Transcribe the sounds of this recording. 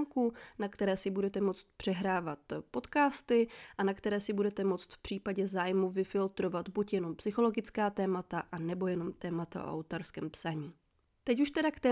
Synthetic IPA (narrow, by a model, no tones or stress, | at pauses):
ŋkunakt̪ɛɾɛːsɪbudɛt̪ɛmo̞t͡st̪pr̥ɛɦɾaːvat̪po̞t̪kaːst̪ɪʔanakt̪ɛɾɛːsɪbudɛt̪ɛmo̞t͡st̪fpr̝̥iːpaɟɛzaːjmuvɪfɪlt̪ɾo̞vat̪bucjɛno̞mpsɪxo̞lo̞ɡɪt͡skaːt̪ɛːmat̪aʔanɛbo̞jɛno̞mt̪ɛːmat̪a̰ʔo̰a̰wt̪aɾskɛːmpsaɲiː | t̪ɛcuʃt̪ɛdakt̪ɛː